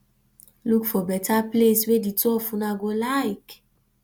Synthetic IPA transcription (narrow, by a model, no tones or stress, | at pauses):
lukfɔbɛtʰaplesweditɔfũnaɡolaɪk